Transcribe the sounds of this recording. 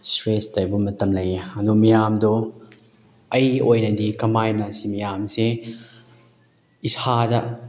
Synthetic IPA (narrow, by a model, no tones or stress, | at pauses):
stɾestɐjbumɐtɐmlɐjɐnumijaːmdɔ | ɐjojnɐdikɐmajnasimijamsi | isadɐʔ